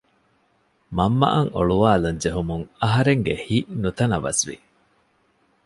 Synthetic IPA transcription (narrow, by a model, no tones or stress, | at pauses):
mɐmːɐ̰ʔɐŋo̰ɭuʋaːluɲd͡ʒeɦumuŋɐɦɐɾeŋɡehiʔnut̪ɐnɐʋɐ̰sʋḭ